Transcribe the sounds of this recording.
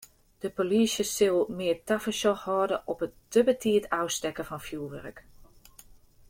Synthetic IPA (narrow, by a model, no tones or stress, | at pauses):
d̥əpolisjəsɪlˠmɪərtafəsɔxhɔːdəʔɔpətdəbətʰiətawstɛkəfɔnfjulˠʋɛ̰rək